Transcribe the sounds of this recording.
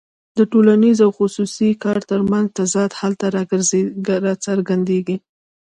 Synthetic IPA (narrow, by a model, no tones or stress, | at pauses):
d̪əʈolanizawxʊsusikɑɾt̪əɾmanzt̪azɑt̪halt̪aɾɑɡəɾzeɾɑsaɾɡand̪eɡi